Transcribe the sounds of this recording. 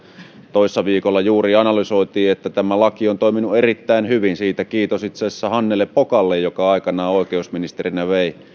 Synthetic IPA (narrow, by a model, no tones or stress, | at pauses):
t̪oˑisːɑʋiːkolːɑjuːriɑnɑlysoˑit̪iːet̪ːæt̪æmælɑkiont̪oˑiminuerit̪ːæˑinhyʋinsiːt̪ækiːt̪osit̪sesːæhɑnːelːepːokɑlːejjokɑɑˑikɑnɑːoˑekeusminist̪erinæʋeˑi